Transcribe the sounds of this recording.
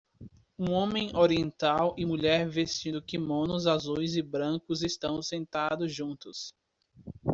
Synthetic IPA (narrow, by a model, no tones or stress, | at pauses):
ũõmẽj̃oɾiẽnt̪awɪmuʎɛɾvest͡ʃĩʊkɪmõnʊzazujzɪbɾɐ̃ŋkʊzɪst̪ɐ̃w̃sẽnt̪ad̪ʊzʒũnt̪ʊs